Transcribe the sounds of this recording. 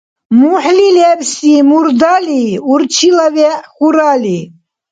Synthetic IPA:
muħlilɛbsimuɾd̪aliuɾt͡ʃʰilavɛχuɾali

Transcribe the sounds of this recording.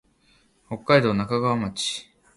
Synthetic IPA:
ho̞kːaid̪o̞ːnakaɡaβamat͡ɕi̥

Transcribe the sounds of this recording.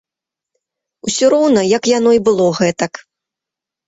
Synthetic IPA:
usʲuɾɔwnɐjɐkjan̪ɔibɨlˠɔɣɛt̪ɐk

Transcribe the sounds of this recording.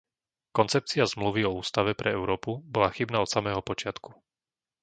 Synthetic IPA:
kɔnt͡sɛp̚t͡siazmluʋiɔuːst̪aʋɛpɾʔɛɛʊɾɔːpubɔlaxibnaɔt̪samɛːɦɔpɔt͡ʃɪat̪ku̥

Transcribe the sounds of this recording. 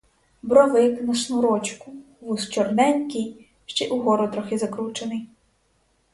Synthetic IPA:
bɾɔʋɪknɐʃnuɾɔt͡ʃkʊ | ʋust͡ʃɔrnɛnʲkʲij | ʃt͡ʃɛʔuɦɔɾɔd̪ɾɔxɪzɐkɾut͡ʃenɪj

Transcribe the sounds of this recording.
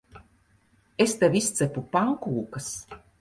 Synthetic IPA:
est̪evist̪sɛpupaŋkuːkas

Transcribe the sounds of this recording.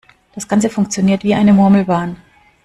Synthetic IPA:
d̥asɡ̥ant͡səfʊŋk̚t͡sjoniːɐtv̥iːʔaɪnəmʊɐml̩baːn

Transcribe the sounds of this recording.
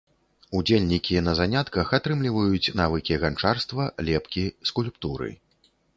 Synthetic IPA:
ud͡zʲelʲnʲikʲinɐzanʲat̪kɐxat̪ɾɨmlʲivɐjut͡sʲnavɨkʲiɣant͡ʂarst̪vɐlʲɛpkʲiskulʲpt̪uɾɨ̰

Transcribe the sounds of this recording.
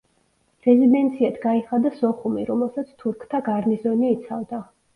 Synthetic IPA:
ɾɛzid̪ɛnt̪sʰiat̪ʰɡaiχad̪asɔχumiɾɔmɛlˠsat̪sʰt̪ʰuɾkʰt̪ʰaɡaɾnizɔniːt̪sʰavd̪a

